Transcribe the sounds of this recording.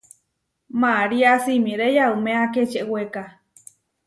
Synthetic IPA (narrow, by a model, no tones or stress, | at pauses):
maɾiasimiɾejaumẽaket͡ʃeʔweka